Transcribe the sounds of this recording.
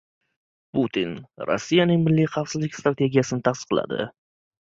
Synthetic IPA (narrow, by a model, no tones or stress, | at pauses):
put̪ʰinɾo̰sːijanɪŋmɪlːijχɑfsɪzlɪkʲst̪ɾat̪ʰe̞ɡʲijasɪnɪt̪ʰasɨ̥qlˠa̰d̪ɪ̰